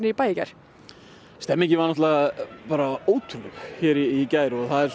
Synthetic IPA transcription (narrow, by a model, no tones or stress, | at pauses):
nɪipaːjɪca̰jɾ̥ | st̪ɛmːɛcɪvanɔt̪lɛɣapaːɾaoːwt̪ʰɾʏɣçɛːɾiːcaːjɾɣθaðɛɾs